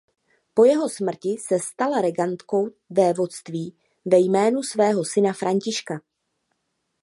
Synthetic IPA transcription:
po̞jɛɦo̞smr̩cɪsɛst̪alaɾɛɡant̪ko̞w | vɛːvo̞st̪viː | vɛjmɛːnusvɛːɦo̞sɪnafɾaɲcɪʃka

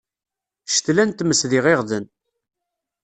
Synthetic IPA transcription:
ʃə̥t̪lænt̪məsðɪʁeʁðən

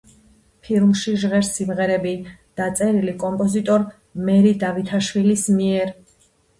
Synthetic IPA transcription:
pʰilˠmʃiʒʁɛɾsimʁɛɾɛbid̪̥at̪sʼɛɾilikʼɔmpʼɔzit̪ʼɔɾ | mɛɾid̪avit̪ʰaʃwilismiɛɾ

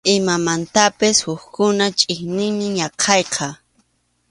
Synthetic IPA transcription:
ɪmamant̪apɪshʊxkʊnat͡ʃʼɪknɪŋmɪɲɑqʰɑjqʰɑ

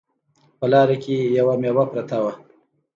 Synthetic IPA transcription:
pəlɑːɾekejawamewapɾɐt̪awa

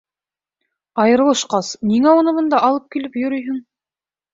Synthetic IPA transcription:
ɑjɤ̆ɾɤ̆lˠɤ̆ʃqɑsniŋæunɤβɤ̆nd̪ɑʔɑlˠɤp̚kilɘpjɵ̆ɾɵjɦɘŋ

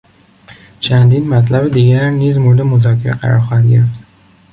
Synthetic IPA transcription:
t͡ʃʰænd̪iːnmæt̪ʰlæbed̪iːɟæɾniːzmoɾed̪emo̞zɒːcʰːeɾeɢæ̰ɾɒ̰ɾxɒːhæd̪ɟe̞ɾeft̪

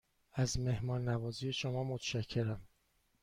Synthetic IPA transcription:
æzme̞hmɒːnːævɒːzije̞ʃomɒːmot̪ʰʃæcʰːe̞ɾæm

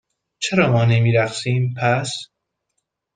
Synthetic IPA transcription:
t͡ʃʰeɾɒːmɒːnemiːɾæχsiːmpʰæs

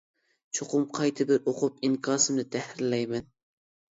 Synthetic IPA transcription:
t͡ʃʰoqʰʊmqʰɑjt̪ʰɪbɪɾoqʊp̚ɪŋkʰɑsɪmnɪt̪ʰæhɪlæjmæn

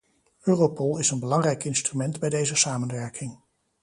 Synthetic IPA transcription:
øːropɔlˠɪsənbəlɑŋrɛjkɪnstrymɛndbɛjdejzəsaːmənʋɛɹkʰɪŋ

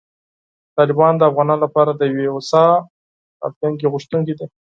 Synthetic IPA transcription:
t̪ɑlɪbɑnd̪əafɣɑnɑnlapɑɾad̪əjweʊsɑ | a̰ft̪uŋk̬eɣʊʃt̪uŋked̪i

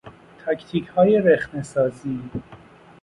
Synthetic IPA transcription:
t̪ʰæct̪ʰiːchɒːjeɾexnesɒːziː

